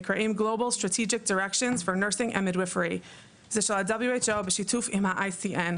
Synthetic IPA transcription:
kʰɹ̥aʔẽɪ̃mɡloʊbl̩ˠstɹ̥ɨtʰid͡ʒɨk̚d̥ə˞ɛkʃɨ̃nz̥fə˞nɜ˞sɪ̃ŋʔɛ̰̃mɨdwɪfə˞i | z̥ɪʃəlˠadʌbl̩ˠjueɪt͡ʃoʊbɨʃitʰufɪ̃maʔaɪsiʔɛ̃n

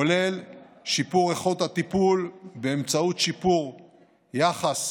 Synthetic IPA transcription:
ole̞l | ʃipuʁeχot̪hat̪ipulbeːmt͡saut̪ʃipuʁ | jaχas

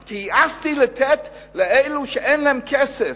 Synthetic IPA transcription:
kʰiast̪ilat̪ʰɛt̪ | lɛʔeɪluʃɛʔenlɛɛmkʰɛsɛ

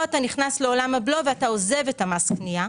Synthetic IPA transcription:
ataniχnasle̞o̞lamablo̞veataoze̞vetamasknia

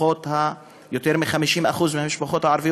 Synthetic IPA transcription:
oːt̪ha | jʊt̪iːɾmɪnxamiʃiːnmʔaxuːzmɪnmɪʃbuxoːt̪haʕɑɾˤfiː

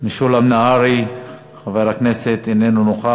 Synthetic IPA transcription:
miʃulamnaaɾi | χaveɾhakneset̪enenunoχa

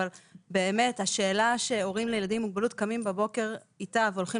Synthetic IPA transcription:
albe̞ːme̞thaʃeːlaʃe̞o̞ʁimlejeladimːuɡ̚balutkamimbabo̞ke̞ʁ | itaveolχi

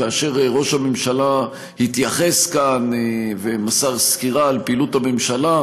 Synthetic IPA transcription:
aːʃe̞ʁʁo̞ʃhamemʃala | hit̪jaχe̞skanvemasaʁskiʁaːlpeiluthamemʃala

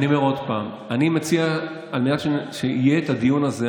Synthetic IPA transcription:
niomeʁo̞d̪paːm | animet͡sia | almenatʃeʃeijeːt̪ad̪ijunaze

